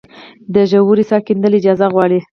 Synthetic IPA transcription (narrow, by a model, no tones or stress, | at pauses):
d̪əʒawuɾisɑkind̪əlɪd͡ʒɑzaɣwɑɽi